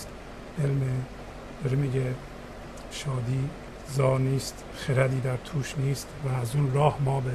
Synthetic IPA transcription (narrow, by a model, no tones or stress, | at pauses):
t̪ | ʔelme | d̪̥ɒɾemiːɟe | ʃɒːd̪iː | zɒːniːst̪ | xeɾæd̪iːd̪æɾt̪ʰuːʃniːst̪væːzuːnɾɒːhmɒːbe